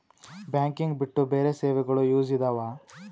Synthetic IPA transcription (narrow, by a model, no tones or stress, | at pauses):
bjaːŋkiŋɡbiʈːubeːɾeseːʋɛɡɐɭujuːd͡ʒid̪aːʋaː